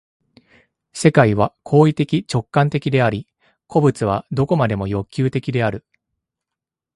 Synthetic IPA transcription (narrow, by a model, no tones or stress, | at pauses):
se̞kaiβ̞akʰo̞ːit̪e̞kʲit͡ɕo̞kːãnt̪e̞kʲid̪e̞aɾʲi | ko̞bɯ̟t͡sɨβ̞ad̪o̞ko̞mad̪e̞mo̞jo̞kʲːɨːt̪e̞kʲid̪e̞aɾɯ̟